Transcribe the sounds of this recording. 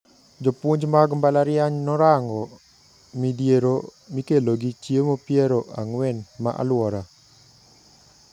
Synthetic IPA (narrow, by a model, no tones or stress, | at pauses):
d͡ʒopuɲd͡ʒmaɡmbalaɾɪjaɲnɔɾaŋɡɔ | midijeɾomikeloɡit͡ʃiemopjeɾoʔa̰ŋwɛnma̰ʔa̰lwɔɾa